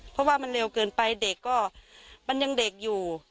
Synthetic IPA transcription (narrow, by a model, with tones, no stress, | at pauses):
pʰɔ˦˥waː˥˩ma˧nɾe˧wkɤː˧npa˧jde˨˩kːɔː˥˩ma˧nja˧ŋde˨˩k̚juː˨˩